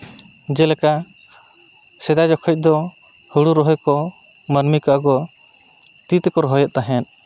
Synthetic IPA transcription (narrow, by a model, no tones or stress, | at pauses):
d͡ʒɛlɛka | sɛd̪ad͡ʒɔkʰɔc̚ˀd̪ɔ | huɽuɾɔɦɔjkɔ | mənmikaʔaɡɔ | t̪it̪ɛkɔɾɔɦɔjɛʔ̪̚t̪aɦɛn